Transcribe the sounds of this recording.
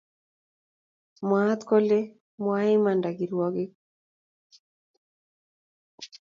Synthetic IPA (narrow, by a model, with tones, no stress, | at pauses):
mwa˦t̪ko˦le˦ | mwa˦ɪ˦ma˨nda˨ɡi˨ɾwɔ˦ɡɪ˦